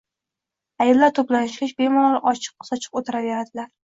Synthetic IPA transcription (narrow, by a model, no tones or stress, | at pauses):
ajɪlːaɾt̪ʰoplanɪʃkʲɪʃbemɒlˠɪʔɒt͡ʃʰɨ̥q̚sɒt͡ʃʰɨ̥qot̪ʰɪɾaveɾad̪ɪlaɾ